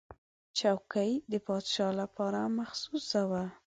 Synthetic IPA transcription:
t͡ʃawkajd̪əpɑd̪ʃɑlapɑɾamaxsusawa

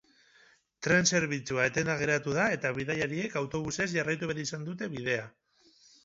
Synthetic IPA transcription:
t̪ɾe̞nse̞ɾβ̞it͡suaet̪e̞naɣ̞e̞ɾat̪uðae̞t̪aβiðajaɾie̞kawt̪o̞β̞use̞zʝarajt̪uβeɾeisand̪ut̪e̞βið̞e̞a

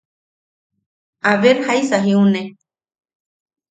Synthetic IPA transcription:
aβeɾhajsaɦiũnẽ

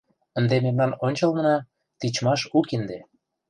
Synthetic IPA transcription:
ə̆nd̪ememnɑnonʲt͡ɕəlnənɑ | t̪it͡ɕmɑʃukind̪e

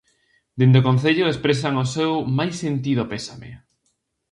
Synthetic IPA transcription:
d̪end̪okõn̟θeʎoespɾes̬aŋosewmajsːent̪iðopesamḛ

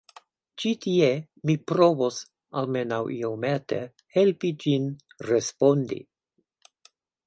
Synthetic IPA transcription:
t͡ʃitʰie | mipɾo̞vos | alme̞nawʔiomete | helpid͡ʒin | ɾespo̞ndḭ

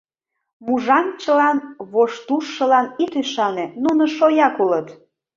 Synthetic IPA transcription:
muʒɑmt͡ɕəlɑnβoʃt̪uʃːəlɑnit̪yʃɑnenunoʃojɑkulət̪

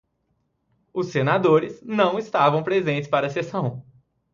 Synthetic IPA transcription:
ʊsːenad̪oɾɪznɐ̃w̃ɪst̪avɐ̃w̃pɾezẽnt͡ʃɪ̥spaɾɐsesɐ̃w̃

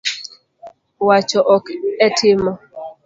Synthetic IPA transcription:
wat͡ʃɔʔɔkɛtʰɪmɔ

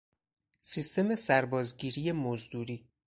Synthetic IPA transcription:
sist̪ʰe̞me̞sæɾbɒːzɟiːɾiːje̞mozd̪uːɾiː

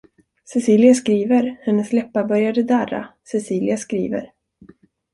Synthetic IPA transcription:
sɛsiːlɪaskɾiːvəɾhɛnːəslɛpːabœɾjad̪əd̪æɾːa̰sɛsiːlɪaskɾḭːvə̰ɾ

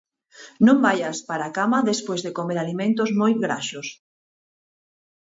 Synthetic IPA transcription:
nõmbajaspaɾakamɐðespojzðekomeɾalimẽnt̪ozmojɡɾa̰ʃos

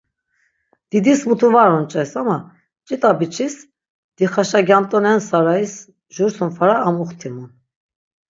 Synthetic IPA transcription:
d̪̥id̪ismut̪ʰuvaɾɔnt͡ʃʼɛsama | t͡ʃʼit̪ʼabit͡ʃʰis | d̪̥iχaʃaɡjamt̪ʼɔnɛnsaɾais | ʒuɾsunfaɾaːmuχt̪ʰimun

